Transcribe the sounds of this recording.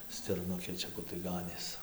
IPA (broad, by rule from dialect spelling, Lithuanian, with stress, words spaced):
sʲtʲɪrˈnʊkʲeː ˈt͡ʃʲɛ ˈkʊr tɐɪ ˈɡɑːnʲeːs